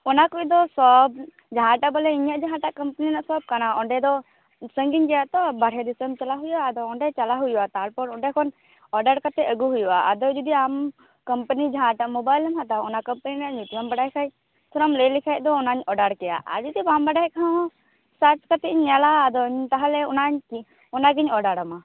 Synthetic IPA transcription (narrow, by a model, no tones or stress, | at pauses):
ɔnakud̪ɔsɔb̚ | d͡ʒaɦãʈabɔlɛiɲaʔd͡ʒaɦãʈaʔkəmpəninaʔsɔb̚kanaɔɳɖɛd̪ɔ | səŋɡiɲd͡ʒɛjaʔt̪ɔbaɽ̤ɦɛd̪isəmt͡ʃalaɦujaːd̪ɔɔɳɖɛt͡ʃalaɦujwat̪aɦaɾpɔɽɔɳɖɛkʰɔn | ɔɖaɾkat̪ɛəɡuɦuja̰a̰d̪ɔd͡ʒud̪iam | kəmpənid͡ʒaɦãʈaʔmɔbajlɛmɦãt̪aɔnakəmpəninaʔɲut̪ambaɽaɦɛkʰaj | t̪ʰɔɾɔmləjlikʰajd̪ɔːnaɲɔɖaɽkɛja̰ʔa̰d͡ʒud̪ibambaɖaɦɛkʰã | sat͡ʃkat̪ɛɲːalaːd̪ɔɲt̪aɦalɛɔnaɲki | ɔnaɡiɲɔɖaɽama